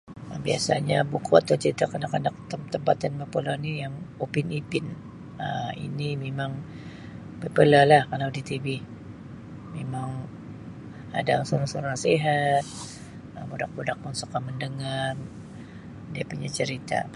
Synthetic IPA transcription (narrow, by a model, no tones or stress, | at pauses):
əbia̰sa̰ɲabukua̰t̪ːət͡ʃəɾit̪akənakanak̚t̪əmt̪əmpat̪anməpəlanijaŋopinipɪn | əḭnimemaŋ | bəpəlalahkalawdit̪ibɪh | memaŋ | a̰daŋsoɾaŋsoɾaŋseɦat̪̚ | əmudak̚budak̚mɔnsakaməndəŋar | diapuɲat͡ʃəɾit̪a̰